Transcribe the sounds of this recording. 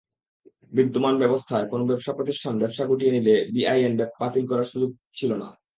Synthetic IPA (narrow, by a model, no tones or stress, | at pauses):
bid̪ːomanbɛbost̪ʰaekonobɛbʃapɾot̪iʃʈʰanbɛbʃaɡuʈienilebiajenbɛbat̪ilkɔɾaɾʃud͡ʑoɡ̚t͡ɕʰilona̰